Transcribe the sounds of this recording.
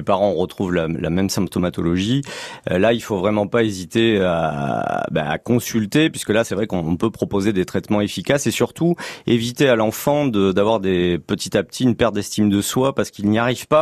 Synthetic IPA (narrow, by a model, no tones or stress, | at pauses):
epaʁɑ̃ʁət̪χuvlala̰mɛmsɛ̃mp̚t̪ɔmat̪ɔlɔʒḭlailfovʁɛmɑ̃paezit̪ea | ba̰a̰kɔ̃sylt̪epɥiskəlasɛvʁɛkɔ̃ːpøpχɔpozed̪et̪χɛt̪mɑ̃efikʲasesyʁt̪uevit̪ealɑ̃fɑ̃d̪əd̪avwaʁd̪epət̪it̪ap̚t̪ʰiynpɛʁt̚d̪ɛst̪ʰimd̪əswapaʁsə̥kilniaʁivpa